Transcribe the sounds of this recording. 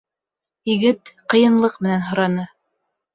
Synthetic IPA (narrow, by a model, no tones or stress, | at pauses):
iɡɘt̪qɤ̆jɤ̆nlˠɤqmɘ̆nænɦŏɾɑnɤ